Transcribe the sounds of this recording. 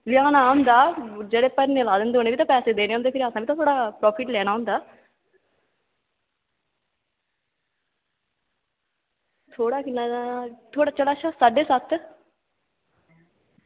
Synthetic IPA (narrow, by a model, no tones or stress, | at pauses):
lɪjaːnaːɦʊ̃nd̪aːd͡ʒeːɽeːpəɾneːlaːd̪ɪːnd̪eːoːneːʋit̪ãːpɛːseːd̪eːneːɦʊnd̪eːkʰɪɾəsãːʋiːt̪ãːt̪ʰoːɽaːpɾɔːpʰɪʈlɛːñaːɦʊnd̪aː | t̪ʰoːɽaːkɪnaːt̪ʰoːɽaːt͡ʃəlaːʃasaːɖeːsət̪ʰ